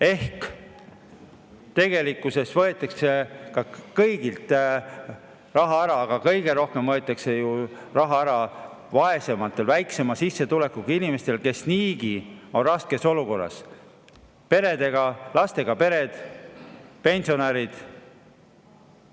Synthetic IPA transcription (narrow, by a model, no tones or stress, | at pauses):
e̞hk | t̪e̞ɡ̥e̞likːˑuse̞svɤe̞t̪ːˑɑkse̞kɑkɤjɡ̥ilt̪ | rɑɦɑæɾɑːɡ̥ɑkɤjɡ̥e̞ɾo̞hke̞mvɤet̪ːˑɑkse̞ju | rɑɦɑæɾɑ | vɑe̞se̞mɑt̪ːˑe̞lvæjkse̞mɑsisːet̪ule̞kukiinime̞st̪e̞lke̞sniːɡio̞nrɑske̞so̞luko̞rːɑ̰s | pe̞ɾe̞d̪e̞ɡ̥ɑlɑst̪e̞ɡ̥ɑpe̞ɾe̞d̪̥ | pe̞nʲsio̞neɾid̪̥